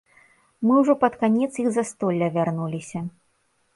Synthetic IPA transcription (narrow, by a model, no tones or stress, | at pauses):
mɨwʐɔpɐt̪kanʲɛt̪sjiɣzɐst̪ɔlʲːɐvʲarnulʲisʲɐ